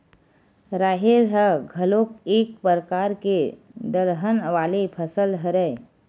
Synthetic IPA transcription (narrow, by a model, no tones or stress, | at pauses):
ɾaːɦeɾɦəɡʱəloːkeːk̚pəɾəkaːɾked̪əɾɦənʋaːlepʰəsəlɦəɾəe